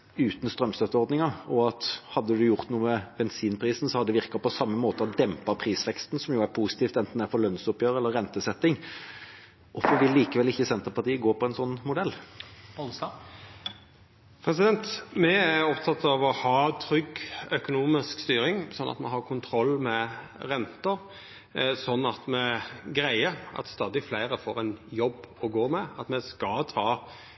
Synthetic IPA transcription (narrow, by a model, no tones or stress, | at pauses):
ʉːt̪n̩st̪ɾœmst̪œt̪ːəɔɾd̪nɪŋɑɔɑt̪hɑd̪ːəd̪ʉjʊʁt̪nuːəəbɛnsiːnpʰɾiːsn̩sɔhɑd̪ɛʋɪɾkəpɔsɑmːəmoːt̪əɑd̪ɛmpɑpʰɾiːsʋɛkst̪nsɔmjʊæɾpʰuːsɪ̥t̪ʰiːft̪ɛnt̪n̩æɾfɔɾlœnsʊpjøːɾəɛlːəɾːɛnt̪əsɛt̪ːɪŋ | ʔɔfəɾʋɪlːiːkəʋɛlɪçːəsɛnt̪əpɑʁt̪iːəɡoːpʰɔɛnsɔnːmʊd̪ɛlː | pʰɾɛsɪd̪ɛnt̪mɛæɾɔpt̪ʰɑt̪ɑʋɔhɑːt̪ʰɾʏɡœkʊnuːmɪskst̪yːɾɪŋsɔnʔɑ̰t̪mɛ̰ɦɑʁkʰʊnt̪ʰɾɔlːmɛɾɛnt̪əɾ | sɔnːɑt̪mɛɡɾæɪəɑ̰t̪st̪ɑːd̪ɪflæɪɾəfoːɾɛnjɔbːɔɡoːmɛɑt̪mɛskɑt̪ʰɑː